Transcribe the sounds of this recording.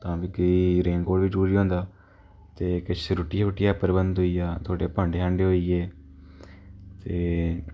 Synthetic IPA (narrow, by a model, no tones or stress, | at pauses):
t̪ãːbiːkəiːɾeːŋɡoːɽʋid͡ʒɾuːɾiːɦõːnd̪aː | t̪eːkət͡ʃːɾʊʈɪjaːɦʊʈɪjaːpəɾbənd̪ɦoiːjaːt̪ʰoːɽeːpəɳɖeɦãːɳɖeːɦoiːeː | t̪eː